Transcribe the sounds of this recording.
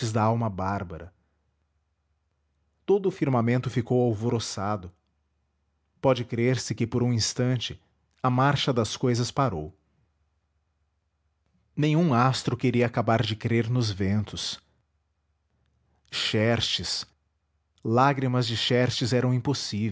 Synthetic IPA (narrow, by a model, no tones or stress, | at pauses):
ɪzd̪ɐawmɐbaɾbɐɾɐ | t̪od̪ʊːfiɾmamẽnt̪ʊfikowawvoɾosad̪ʊ | pɔd͡ʒɪkɾeɾsɪkɪpoɾũĩst̪ɐ̃nt͡ʃɪ | ɐmaɾʃɐd̪ɐskojzɐspaɾow | nẽj̃ũast̪ɾʊkeɾiɐakabaɾd͡ʒɪkɾeɾnʊzvẽnt̪ʊs | ʃɛɾt͡ʃɪs | laɡɾimɐzd͡ʒɪʃɛɾt͡ʃɪzɛɾɐ̃w̃ĩposiv